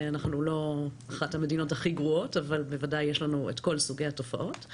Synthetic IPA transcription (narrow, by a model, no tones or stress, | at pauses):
anaχnulo̞aχathamedino̞thaχiɡʁuo̞tavalbevadajːeʃlanuetko̞lsuɡejhato̞fa̰ʔo̞t